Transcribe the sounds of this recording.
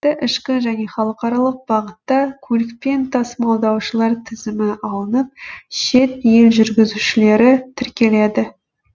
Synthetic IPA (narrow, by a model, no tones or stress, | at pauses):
ɪʔɪʃkʲɪʒæne̞χɑlˠəqɑɾɑlˠəq̚b̥ɑʁət̪ːɑkʲʰɵlɪk̚pe̞nt̪ʰɑsmɑlˠd̪ɑwʃəlˠɑɾt̪ʰɪzɪmɪʔɑlˠənəp̚ʃe̞t̪̚jelʒʏɾɡʲɪzuʃɪle̞ɾɪt̪ʰɪɾkʲe̞le̞d̪ɪ